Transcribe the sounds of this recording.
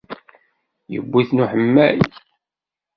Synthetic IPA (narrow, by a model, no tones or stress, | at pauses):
jə̰bːiθnuħəmːæj